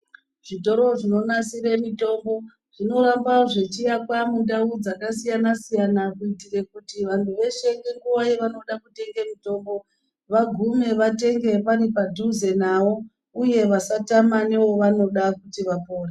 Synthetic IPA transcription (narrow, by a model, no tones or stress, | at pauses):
ʐ̥ito̞ɾo̞ʐino̞nasiɾe̞mito̞mbo̞ | ʐ̥ino̞ɾambaoʐe̞t͡ʃijakwamundaud͡zakasijanasijanakuitire̞kutiʋantʰuʋe̞ʃe̞ŋɡeŋɡuʋajeʋano̞ɗakute̞ŋɡe̞mito̞mbo̞ | ʋaɡʱume̞ʋate̞ŋɡe̞paɾipadʱuze̞nawo̞ | uje̞ʋasatamane̞wo̞ʋano̞ɗakutiʋapo̞ːre